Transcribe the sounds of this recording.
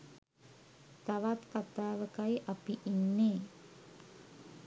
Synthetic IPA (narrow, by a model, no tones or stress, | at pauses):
t̪aʋat̪kat̪aːʋəkajʔɐpiʔinːeː